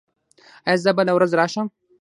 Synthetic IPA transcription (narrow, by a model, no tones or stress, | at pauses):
azabalawɾazɾɑːʃəm